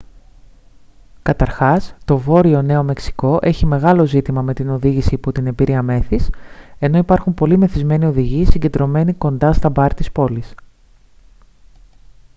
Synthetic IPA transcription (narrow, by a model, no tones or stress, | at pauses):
kɐt̪ɐɾxɐst̪o̞vo̞ɾio̞ne̞o̞me̞ksi̥ko̞ʔe̞çime̞ɣɐlo̞zit̪imɐme̞t̪ino̞ðiʝisiːpot̪ine̞mbiɾiɐme̞θise̞no̞ipɐɾxumpo̞lime̞θizme̞nio̞ðiʝisiɲɟe̞d̪ɾo̞me̞niko̞nd̪ɐst̪ɐbɐɾt̪ispo̞lis